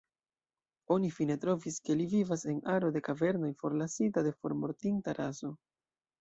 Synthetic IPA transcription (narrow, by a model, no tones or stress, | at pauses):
o̞nifine̞tɾo̞viske̞livivase̞naɾo̞de̞kave̞ɾno̞jfo̞ɾlasitade̞fo̞̰ɾmo̞ɾtintaɾʔazo̞